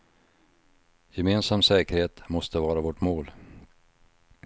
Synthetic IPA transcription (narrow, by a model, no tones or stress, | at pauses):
jɛmeːnsamsɛːkəɾheːt̪mɔst̪əvɑːɾavɔʈmoːl